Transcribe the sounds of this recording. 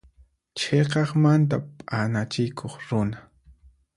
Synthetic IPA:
t͡ʃʰeqɑχmant̪a̰pʼanat͡ʃɪjkʰoχɾʊna

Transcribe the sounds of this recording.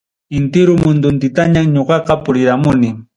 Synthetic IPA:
ɪnt̪ɪɾʊmʊnd̪ʊnt̪ɪt̪aɲaŋɲoɢɑqɑpʊɾɪɾamʊnɪ

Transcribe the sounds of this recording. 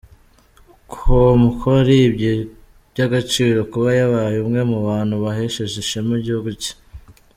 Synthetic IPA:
kʰomukʰoɾibɟe | bɟaɡat͡ʃiːɾo̞kuβajaβajumŋe̞muβaːn̥huβaɦe̞ʃeʃeʒemuɟihuɡuci̥

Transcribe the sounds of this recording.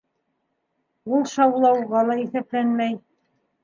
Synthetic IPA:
ulˠʃɑwlˠɑwʁɑlˠɑiθæplænmæj

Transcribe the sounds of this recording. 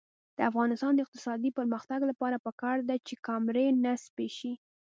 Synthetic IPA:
d̪̥əafɣɑnɪst̪ɑnd̪əɪq̚t̪ɪsɑd̪ipəɾməxt̪aɡlapɑɾapəkɑɾd̪at͡ʃekɑmɾenaspeʃi

